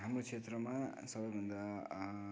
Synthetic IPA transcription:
ɦamɾokt͡ʃʰet̪ɾʌmasʌbʌjbʱʌnd̪a

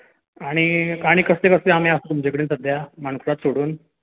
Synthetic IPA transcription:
aɽ̃ikaɽ̃ikəslekəst̪eamẽasut̪umd͡ʑekəɽiːnsəd̪ʱjamənkʰuɾat̪soɽuːn

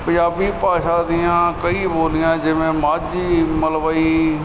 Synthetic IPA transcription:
pə̃d͡ʒaːbiːpaːʃaːd̪ɪjãːkəiːboːlɪjãːd͡ʒɪʋẽːmaːd͡ʒiːməlʋaːiː

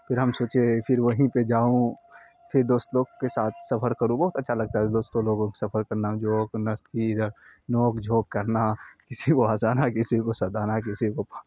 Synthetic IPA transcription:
pʰɪɾɦəmsoːt͡ʃepʰɪɾʋəɦĩped͡ʒaːũ | pʰɪɾd̪oːst̪loːɡkesaːt̪ʰsɐpʰəɾkəɾũbɐɦʊt̪ətːʃʰalɐɡ̚t̪aɦɛd̪oːst̪õloːɡõkesɐpʰəɾkəɾnãd͡ʒoːknɐst̪ʰid̪əɾnoːkd͡ʒʱoːkːəɾnakɪsikoaːsanakɪsikosɐd̪aːnakɪsikop

